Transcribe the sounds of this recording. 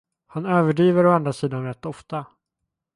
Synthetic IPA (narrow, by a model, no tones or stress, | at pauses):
hanøːvəɖiːvəɾɔand̪ɾasiːd̪anɾɛt̪ːɔft̪a